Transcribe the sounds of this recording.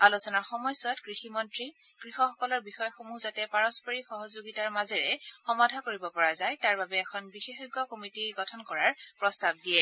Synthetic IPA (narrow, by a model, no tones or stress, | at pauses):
alusɔnaɹxɔmɔjswatkɹiximɔntɹikɹixɔxɔkɔlɔɹbixɔjɔxomuzatɛpaɹɔspɔɹixɔɦɔzoɡitaɹmazɛɹɛxɔmadʱakoɹibɔpɔɹazajtaɹbabɛːkʰɔnbixexɔɡɔkomitiɡɔtʰɔnkɔɹaɹpɹɔstab̚diɛ